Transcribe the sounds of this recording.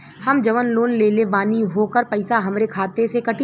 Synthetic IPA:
hɐmd͡ʒɐʋənloːnleːlebaːniɦoːkəɾpɐɪsaɦɐmɾekʰaːt̪esekɐʈi

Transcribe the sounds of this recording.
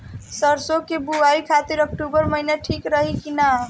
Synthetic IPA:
səɾsokebuaɾikʰat̪iɾək̚ʈubəɾməɦinaʈʰikɾəɦikina

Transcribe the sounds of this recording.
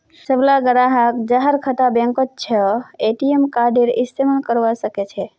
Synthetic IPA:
səblaɡəɾaɦəkd͡ʒaɦəɾkʰət̪abẽŋkət̪̚t͡ʃʰəeʈiemkaɾɖeɾɪst̪eməɳkəɾʋasəket͡ʃʰe

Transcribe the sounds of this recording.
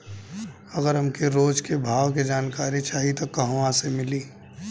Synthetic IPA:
ɐɣəɾɦɐmkeɾoːd͡ʒkebʱaːwked͡ʒaːnkaːɾit͡ʃaːɦit̪okɐɦwãsemɪliː

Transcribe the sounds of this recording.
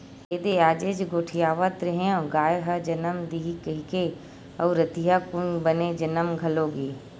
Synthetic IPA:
eːd̪eaːd͡ʒeːd͡ʒɡoːʈʰijaːʋət̪ɾɐɦẽõɡaːjɦɐd͡ʒɐnəmd̪iɦikəɦike | əʋɾɐt̪iɦakʊnbɐned͡ʒɐnəmɡʱɐloːɡiː

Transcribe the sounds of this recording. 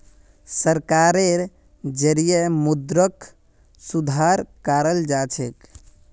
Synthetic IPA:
səɾkaɾeɾ | d͡ʒəɾijəmud̪ɾək | sud̪ʱaɾkaɾəld͡ʒat͡ʃʰek

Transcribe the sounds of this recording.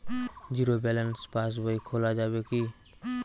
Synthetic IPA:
d͡ʒiɾobɛlənspas̬bəikʰolad͡ʒabeki

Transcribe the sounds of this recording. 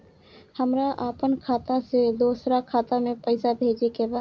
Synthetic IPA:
həmɾaʔaːpənkʰaːt̪ased̪oːsɾakʰaːt̪amẽpəɪsabʱeːd͡ʒekebaːd̪

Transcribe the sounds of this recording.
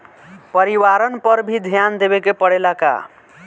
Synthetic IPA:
pʌɾiwaɾʌnpʌɾbʱid̪ʱjand̪ebekepʌɽelaka̰

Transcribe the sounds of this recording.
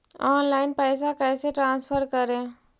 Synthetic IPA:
ɔːnlaːɪnpɛːsakɛːseʈɾãːnspʰəɾkəɾẽː

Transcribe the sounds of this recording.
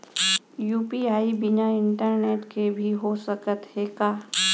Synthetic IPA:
juːpiaːibɪnaɪɳʈəɾneːʈkebʱiɦosəkət̪ɦekaː

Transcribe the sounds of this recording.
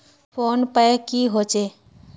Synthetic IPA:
pʰoːnpəkiɦoːt͡ʃeː

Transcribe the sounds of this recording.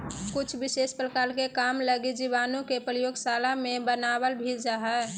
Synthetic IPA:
kʊt͡ʃʰbɪseːspɾəkaːlkekamləɡid͡ʒiʋaːnõkepɾəjoːɡsaːlamẽbənaːbəlbʱild͡ʒaɦɛː

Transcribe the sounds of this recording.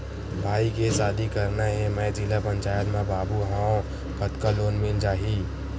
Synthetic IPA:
bʱaːikesaːd̪ikɐɾnaɦɛ̃mɛ̃d͡ʒɪlapɐ̃ɲʲt͡ʃaːjət̪mẽbaːbuɦãõ | kɐt̪kaloːnmɪnd͡ʒaːɦiː

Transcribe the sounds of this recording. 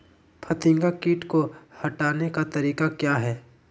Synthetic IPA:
pʰɐt̪ɪ̃ŋɡakiːʈkohɐʈaːnekat̪ɐɾiːkakjaːɦɛː

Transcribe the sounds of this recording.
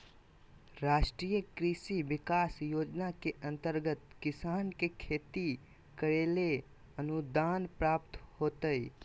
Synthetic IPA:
ɾaːʃʈɾijəkɾiʃiʋɪkaːsjoːd͡ʒnakeʔə̃nt̪əɾɡət̪kɪsaːnkekʰeːt̪i | kəɾeːle | ənud̪aːnpɾaːp̚t̪hoːt̪əi

